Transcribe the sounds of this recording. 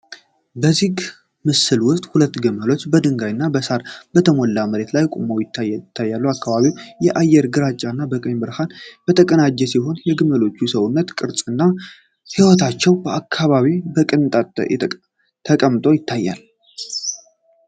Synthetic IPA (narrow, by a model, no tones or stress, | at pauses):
bəzik | mɨsɨlwʊst̪ʼhulət̪ːɡɨməlo̞t͡ʃːbəd̪ɨŋɡajɨnːabəsaɾbət̪ʰəmolːaməɾe̞t̪lajkʼomowjɪt̪ʰːat̪ʰːajːalːuwakːaβaβiwjɛʔajɛɾɡɨɾat͡ʃʼːanːabəkʼəɲbɨɾhanb̥ət̪ʰəkʼənad͡ʒːɛsiɦo̞njɛɡɨməlo̞t͡ʃːusəwunːət̪kʼɨɾsʼɨnːa | hiwɔt̪ʰat͡ʃːɛwbəakʰːaβaβibəkʼɨnt̪ʼa̰ | t̪ʰəkʼəmt̪ʼo̞jɪt̪ʰːajːa̰l